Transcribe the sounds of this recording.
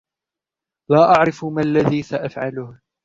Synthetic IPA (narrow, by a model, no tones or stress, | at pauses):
laːʔaʕɾɪfmalːaðiːsaʔafʕalʊh